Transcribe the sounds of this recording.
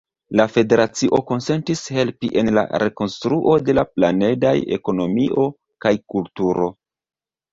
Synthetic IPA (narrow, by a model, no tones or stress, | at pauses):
lafe̞de̞ɾat͡siʔo̞ko̞nse̞ntishe̞lpiʔe̞nla̰ɾe̞ko̞nstɾuʔo̞de̞laplane̞daje̞̰ko̞no̞miʔo̞ | kajkultuɾo̞